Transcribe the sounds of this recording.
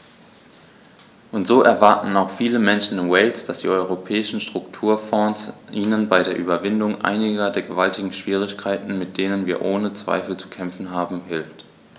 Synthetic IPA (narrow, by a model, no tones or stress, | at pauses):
ʔʊntz̥oːʔɛɐvaɐtn̩aʊxfiːləmɛnʃn̩ɪnwɛɪlsd̥asd̥ḭːʔɔʏʁ̞opʰɛːɪʃn̩ʃtʁ̥ʊktʰuːɐfɔːsʔiːnənbaɪdeːɐʔyːbɐvɪndʊŋʔa̰ɪnɪɡɐdeːɐɡəvaltɪɡŋ̩ʃv̥iːʁ̞ɪçkʰaɪtn̩mɪt̚d̥eːnənviːɐʔoːnət͡sv̥a̰ɪfl̩t͡su̥kʰɛmfn̩ɦaːbm̩ɦɪlft